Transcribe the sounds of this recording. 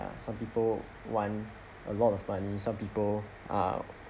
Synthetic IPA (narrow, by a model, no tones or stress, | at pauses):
a̰sãmpipəl | wãn | ʔə̰lɔtɔvmanisãmpipəl | ʔa̰